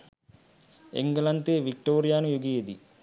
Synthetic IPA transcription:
ḛŋɡɐlɐnt̪eːʋik̚ʈoːɾijaːnujuɡijed̪i

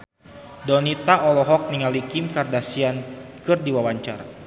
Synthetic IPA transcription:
dɔnit̪aɔlɔɦɔk̚niŋalikimkardasiankɨrdiwawaɲt͡ʃara

